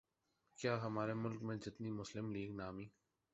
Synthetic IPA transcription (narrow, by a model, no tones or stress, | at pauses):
kjaːɦɐmaːɾemʊlkmẽd͡ʒɪt̪nimʊslɪmliːɡnaːmiː